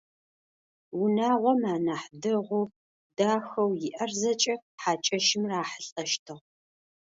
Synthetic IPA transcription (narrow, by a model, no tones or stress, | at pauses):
wʊnaːʁʷɔmaːnaːħdɨʁʷʊ | daːxɐwjɪʔɐrzɐt͡ʃʼɐħaːt͡ʃʼɐʃɪmraːħəɬʼɐʃtʰɨʁ